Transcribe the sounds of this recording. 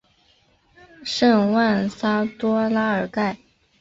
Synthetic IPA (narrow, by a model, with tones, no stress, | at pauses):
ʂɤ˥˧ŋwa˥˩nsa˥t̪wɔ˥la˥ə˞˨˩ka˥˩ɪ